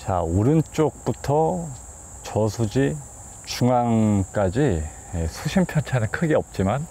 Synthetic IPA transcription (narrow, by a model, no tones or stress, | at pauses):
t͡ɕa̰uɾɯnt͡ɕ͈ok̚p͈utʰʌ | t͡ɕʌsʰud͡ʑi | t͡ɕuŋaŋk͈ad͡ʑi | jesʰuɕʰimpʰjʌnt͡ɕʰanɯnkʰɯɡeʌp̚t͡ɕ͈iman